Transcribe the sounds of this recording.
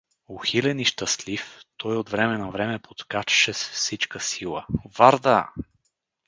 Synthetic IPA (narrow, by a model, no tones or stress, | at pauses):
oxilɛniʃt̪ɐst̪lift̪ʰɔjod̪vɾɛmɛnɐvɾɛmɛpot̪kat͡ʃɛ̥ʃɛsfsit͡ʃkəsilˠə̰vaɾd̪a